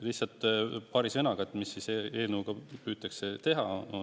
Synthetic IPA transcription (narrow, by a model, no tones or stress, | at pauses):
lihsɑlt̪ːpɑːɾisɤnɑɡ̥ɑt̪ːˑmisːisee̞ːlnəuɡ̥ɑpyːt̪ːˑɑkset̪e̞ɦɑ